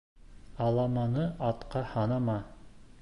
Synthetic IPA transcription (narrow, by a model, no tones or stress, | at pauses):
ɑlˠɑmɑnɤɑt̪qɑhɑnɑmɑ